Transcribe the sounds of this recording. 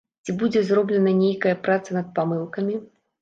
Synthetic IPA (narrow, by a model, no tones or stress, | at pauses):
t͡sʲibud͡zʲɛzrɔblʲɛnɐnʲejkɐjɐpɾat̪sɐnɐt̪̚pamɨlˠkɐmʲi